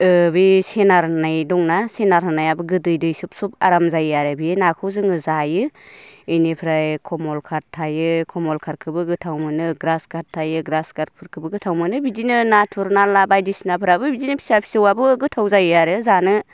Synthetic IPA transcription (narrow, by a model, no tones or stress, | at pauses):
ɯbisenaɾhɯnajdɔŋnasenaɾɦɯnajabɯɡɯdɯjdɯjsup̚sup̚a̰ɾamzajaɾɯbijenakʰɯwzɯŋɯzajɯɯjnipʰɾajkʰɔmɔlkʰaɾtʰːajɯkʰɔmɔlkʰaɾkʰɯbɯɡɯtʰawmɯnɯɡɾaskʰaɾtʰːajɯɡɾaskaɾ̚pʰɯɾkʰɯbɯɡɯtʰawmɯnɯbizinɯnatʰuɾnalabajdisinapʰɾabɯbizinɯpʰi̥sapʰi̥sɯwabɯɡɯtʰawzajaɾɯzanɯ